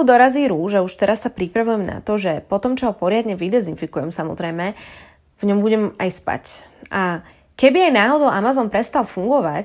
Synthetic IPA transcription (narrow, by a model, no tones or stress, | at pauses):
ud̪ɔɾaziːɾuʒɛuʃt̪ɛɾasːapɾipɾaʋujɛmna̰t̪ɔʒɛpɔt̪ɔmt͡ʃɔɦɔpɔɾɪad̪ɲɛʋid̪ɛzinfikujɛmsamɔ̰zɾɛjmɛ | vɲɔmbuɟɛmajspa̰cʔa | kɛbiajnaːɦɔd̪ɔʊʔamazɔnpɾɛst̪alfuŋɡɔʋac